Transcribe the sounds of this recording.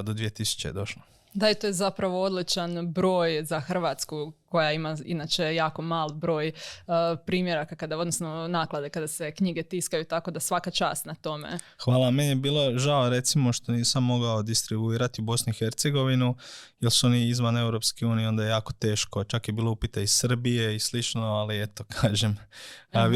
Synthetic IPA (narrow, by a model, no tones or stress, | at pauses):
d̪od̪ʋije̞t̪isu̥t͡ʃeed̪o̞ʃla | d̪aet̪ojezapɾaʋoo̞d̪lit͡ʃanbɾo̞ːjzaxr̩ʋat̪skuko̞jaimaḭnat͡ʃejaːko̞maːlˠbɾo̞ːj | pɾiːmje̞ɾakakad̪ao̞d̪nosnonaːklˠad̪e̞kad̪ase̞kɲiɡet̪iskajut̪ako̞d̪asʋakat͡ʃa̰ːst̪nat̪o̞mḛ | xʋaːlamenjjebiːlo̞ʒaoɾe̞t̪simo̞ʃt̪o̞niːsamːo̞ɡaod̪ist̪ɾibuiːɾat̪iubo̞snuixe̞ɾt̪seɡo̞ʋinujelsuo̞niizʋane̞wɾo̞pskiuːnijeo̞nd̪ajejaːko̞t̪e̞ːʃko̞t͡ʃakjebiːlˠoupit̪aissr̩bije̞islit͡ʃnoalie̞t̪o̞kʰaːʒe̞m